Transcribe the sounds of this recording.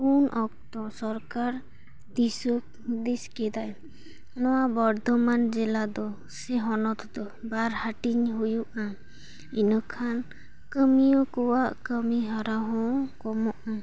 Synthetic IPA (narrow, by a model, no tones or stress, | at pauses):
unʔɔk̚t̪ɔsɔɾkaɾ | d̪isɔk | d̪iskɛd̪aj | nɔwabɔɾd̪ʱɔmand͡ʒɛlad̪ɔ | sɛɦɔnɔt̪ʰd̪ɔ | baɾhaʈiɲɦujuʔa | inɔkʰan | kəmijɔkɔwaʔkəmiɦaɾaɦɔ̃kɔmɔʔa